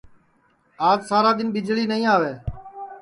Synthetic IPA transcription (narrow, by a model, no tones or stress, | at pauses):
aːd͡ʒsaːɾaːd̪ɪnɓɪd͡ʒliːnəĩːaːʋeː